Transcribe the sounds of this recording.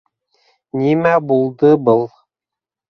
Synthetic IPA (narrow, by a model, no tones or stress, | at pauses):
nimæbulˠd̪ɤbɤlˠ